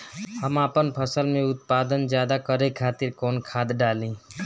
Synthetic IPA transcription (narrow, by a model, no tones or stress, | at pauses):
həmapənpʰəsəlmẽʊt̪̚paːd̪ənd͡ʒjaːd̪akəɾekʰaːt̪iɾkɔːnkʰaːd̪ɖalĩ